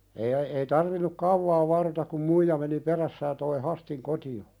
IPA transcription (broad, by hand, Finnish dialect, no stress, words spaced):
eːĭ ŏ ei tɑrʋinuk kɑuʋɑː ʋɑrːotɑk kum muijɑ meni peræsːæ jɑ toi hæstiŋ kotio